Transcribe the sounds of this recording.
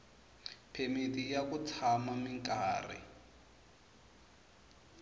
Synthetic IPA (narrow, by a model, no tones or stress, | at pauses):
pʰemitʼijakut͡sʰamamiŋkʼaːrḭ